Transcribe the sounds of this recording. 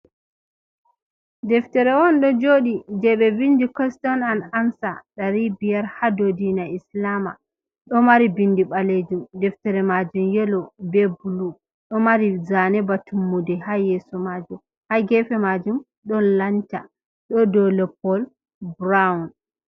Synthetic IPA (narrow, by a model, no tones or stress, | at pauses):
dɛftɛɾɛwɔnɗɔd͡ʒoːɗid͡ʒɛɓɛbindikɔstɔnanansaɗaɾibijaɾhadodinaislama̰ | ɗɔmaɾibindiɓaled͡ʒumdɛftɛɾɛmad͡ʒumjɛlɔbɛbulu | ɗɔmaɾizanɛbatʰumːudɛhajɛsɔmad͡ʒum | haɡɛfɛmad͡ʒum | ɗɔnlant͡ʃa | ɗɔdɔlɛpɔl | bɾaun